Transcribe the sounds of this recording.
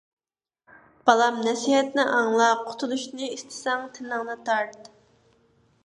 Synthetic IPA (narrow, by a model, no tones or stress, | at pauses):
b̥ɑlˠɑmnɛsiɦɛt̪nɪʔɑŋlˠɑqʰʊ̥t̪ʰulˠuʃnɨist̪ʰɪ̥sɛŋt̪ʰɪnɨŋnɨt̪ʰɑɾt̪